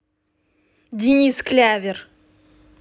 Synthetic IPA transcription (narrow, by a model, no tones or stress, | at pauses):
d̪ʲinʲisklʲævʲeɾ